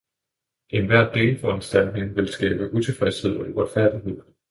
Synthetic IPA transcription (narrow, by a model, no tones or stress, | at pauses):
ʔe̝nʋæɐ̰d̥e̝̰ːlfɒnsd̥æn̰ne̝ŋʋe̝lsɡ̥ɛ̰ːb̥əʔut͡sʰe̝fʁɛshe̝ð̞̰ˠɒiʁɒd̥fæɐ̰d̥iɦe̝ð̞̰ˠ